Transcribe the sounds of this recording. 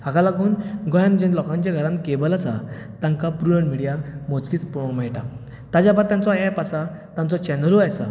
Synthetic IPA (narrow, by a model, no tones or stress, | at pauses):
ɦaɡalaɡuːnɡʱɔjãnd͡ʑẽnlɔkãɲt͡ɕjaɡʱəɾãnkebəlasa̰t̪ãŋkapɾujəɳmiɽijamot͡skiːt͡spɔɽõməɦiʈa | t̪ad͡ʑjabaɾt̪jãnt͡sɔɛpasat̪ãnt͡sɔt͡ɕɛnəluajsa̰